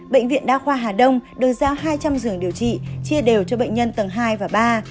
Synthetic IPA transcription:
ɓḛ˧˨jŋ̟vḭ˧˨ənɗaː˧xwaː˧ɦaː˨˩ɗə˧wŋ͡mɗɨ˨˩ək̚zaː˨˧˦wɦaː˧jt͡ɕa˧mzɨ˨˩əŋɗi˨˩əwt͡ɕḭ˧˨t͡ɕi˧əɗe˨˩wt͡ɕɔ˧ɓə̰˧˨jŋ̟ɲə˧nt̪ə˨˩ŋɦaː˧jvaː˨˩ɓaː˧

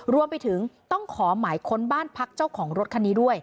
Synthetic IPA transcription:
ɾu˧əmpa˧jt̪ʰɯ˩˦ŋt̪ɔ˥˩ŋkʰɔː˩˦maː˩˦jkʰo˧nbaː˥˩npʰa˦˥k̚t͡ɕa˥˩wkʰɔː˩˦ŋɾo˦˥t̪̚kʰa˧niː˧˥du˥˩əj

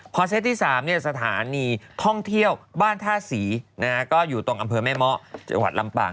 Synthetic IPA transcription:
pʰɔ˧se˦˥t̪̚ʰːiː˥˩saː˩˦mni˥˩ɐsa˧t̪ʰaː˩˦niː˧t̪ʰɔ˥˩ŋt̪ʰi˥˩əwbaː˥˩nt̪ʰaː˥˩siː˩˦na˦˥kɔː˥˩juː˨˩t̪o˧ŋʔa˧mpʰɤː˧mɛː˥˩mɔ˦˥t͡ɕa̰˧ŋwa˨˩t̪̚la˧mpa̰ː˧˩ŋ

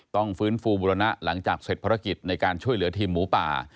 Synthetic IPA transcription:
t̪ɔ˥˩ŋfɯː˦˥nfuː˧buː˧ɾa˧na˦˥ʔla˩˦ŋt͡ɕaː˨˩k̚se˨˩t̪̚pʰaː˧ɾa˦˥ki˨˩t̪̚na˧jkaː˧nt͡ɕʰu˥˩əjlɯ˩˦ɐt̪ʰiː˧mːuː˩˦pa̰ː˨˩

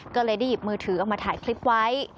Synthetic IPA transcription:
kɔː˥˩lɤː˧jda˥˩jːi˨˩p̚mɯː˧t̪ʰɯː˩˦ʔɔ˨˩k̚maː˧t̪ʰaː˩˦jkʰli˦˥p̚wa˦˥j

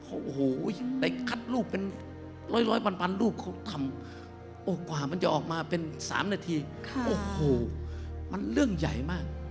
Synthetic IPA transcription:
pʰɔ˧˩ʔo˧˩hoː˨˩˧da˧˩jkʰa˧˥t̪̚luː˥˩pːe˧n | lɔː˧˥jlɔː˦˥jpa˧npʰa˧nluː˥˩p̚kʰa˧˩wt̪ʰa˧m | ʔoː˧˩kɔ˧˨a˨˩ma˧˥˨nt͡ɕa˨˩ʔɔː˨˩k̚maː˧pe˧nsa̰ː˨˦mnaː˧t̪ʰiː˧ʔoː˧˩hoː˨˩ma˧˥˨nlɯ˥˩əŋja̰˨˩jmaː˥˩k̚

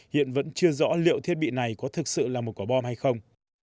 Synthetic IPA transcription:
hḭ˧˨ənvə̰˧˥nt͡ɕɨ˧əzɔ̰˧˥lḭ˧˨əwt̪ʰi˦˥ət̚ɓḭ˧˨na˨˩jkɔ˨˦t̪ʰɨ˨˩k̚sɨ̰˧˨laː˨˩mo˨˩kwa˧˩ɓɔ˧mɦa˧jxə˧wŋ͡m

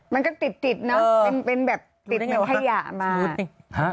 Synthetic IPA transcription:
ma˧nkɔː˥˩t̪i˨˩t̪ːi˨˩t̪̚nɔ˦˥˧e˧npe˧nbɛː˨˩p̚t̪i˨˩t̪̚ma˧pʰa˧ja̰ː˨˩ʔmaː˧˦ha˦˥

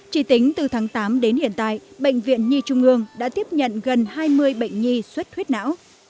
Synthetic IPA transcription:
t͡ɕi˧˩t̪ï˨˦ŋ̟t̪ɨ˨˩t̪ʰaː˨˦ŋt̪aː˨˦mɗe˨˦nhḭ˧˨ənt̪a̰ː˧˨jɓə̰˧˨jŋ̟vḭ˧˨ənɲi˧t͡ɕʊ˧ŋ͡mʔɨ˧əŋɗa̰ː˧˥t̪i˦˥əp̚ɲə̰˧˨nɣə˨˩nhaː˧jmɨ˧əjɓə̰˧˨jŋ̟ɲi˧swə˦˥t̚t̪ʰwt̚na̰ː˧˥w

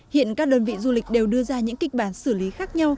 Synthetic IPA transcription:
hḭ˧˨ənkaː˦˥k̚ɗə˧˩nvḭ˧˨zu˧lï˨˩k̟̚ɗe˨˩wɗɨ˧əzaː˧ɲɨ̰˧˥ŋki˦˩k̟̚ɓaː˧˩nsɨ˧˩li˨˦xaː˦˥k̚ɲa˧w

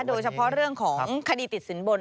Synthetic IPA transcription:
doː˧jt͡ɕʰa˧pʰɔ˦˥ɾɯ˥˩əŋkʰɔː˩˦ŋkʰa˧diː˧t̪i˨˩t̪̚si˩˦nbu˧n

